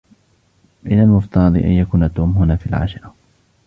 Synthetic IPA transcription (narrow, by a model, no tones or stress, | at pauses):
mɪnalmʊft̪ɑɾˤɑd̪ˤḭʔa̰njakuːnat̪ːuːmhʊnaːfiːalʕa̰ːʃɪɾˤɑ